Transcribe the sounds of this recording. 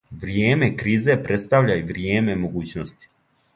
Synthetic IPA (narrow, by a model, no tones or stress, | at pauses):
ʋɾjeːme̞kɾiːze̞pɾʔet̪st̪aʋʎaiʋɾjeːme̞mo̞ɡuːt͡ɕnost̪i̥